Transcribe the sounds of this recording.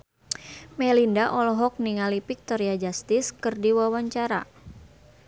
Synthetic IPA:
mɛlindaʔɔlɔɦɔk̚niŋalipik̚t̪ɔɾiad͡ʒast̪ɪskɨrdiwawaɲt͡ʃaɾa̰

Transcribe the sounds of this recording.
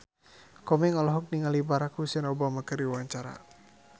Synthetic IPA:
kɔmɛŋalɔɦɔk̚niŋalibaɾakusənɔbamakərdiwaɲt͡ʃaɾa̰

